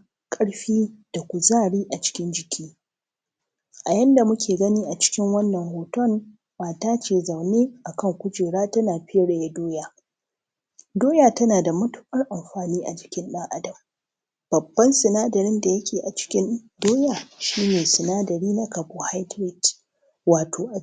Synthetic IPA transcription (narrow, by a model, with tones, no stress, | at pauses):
kʼɐ˦ɽɸiː˦d̥a˨kʷu˨zaː˦˨ɽiː˦ʔa˨t͡ʃɪ̥˦kʲɪ˦nd͡ʒɪ˨kʲʰiː˦ | ʔa˨jɐ˦nda˨mʊ˦kʲʰeː˨ɡɐ˦niː˦ʔa˨t͡ʃɪ̥˦kʲɪ˦ŋwɐ˦nːɐ˨ŋhoː˨tɔ˦ŋ | maː˨taː˦t͡ʃeː˨za˨wneː˦ʔa˨kɐ˦˨ŋkʷʊ˦d͡ʒeː˨ɽaː˦tɐ˦naː˨ɸɪ˦ɐ˦ɽe˨ja˦doː˦jaː˦ | doː˦jaː˨tɐ˦naː˨da˨mʊ˦tʊ̥˦ʔɐ˦rʔa˨mɸaː˨niː˦ʔa̰˨d͡ʒɪ˨kʲɪ˦nɗɐ˦ŋʔa˦dɐ˨m | b̥ɐ˨bːɐ˦nsɪ˨naː˦dɐ˨ɾɪ˦nda˨jɐ˦kʲeː˨ʔa˨t͡ʃɪ̥˦kʲɪ˦n | doː˦jaː˨ʃiː˦neː˨sɪ˨naː˦dɐ˨ɽiː˦na˦kɐ˨boː˨ha˦jtɾɪ˦d | waː˨tʰoː˨ʔa˨